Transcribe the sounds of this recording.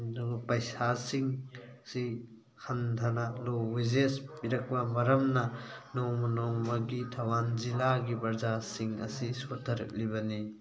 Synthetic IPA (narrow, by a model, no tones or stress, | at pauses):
nopɐjsasiŋsi | hʰɐntʰɐnalowizespiɾɐk̚bɐmɐɾɐmnɐnomɐnomɐɡitʰɐwanzilaɡipɐɾzasiŋɐ̰sisotʰːɐɾɐ̰k̚liβɐni